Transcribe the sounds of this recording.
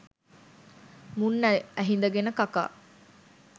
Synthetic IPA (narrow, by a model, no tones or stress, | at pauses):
munːæɦind̪ɐɡenəkaka̰ː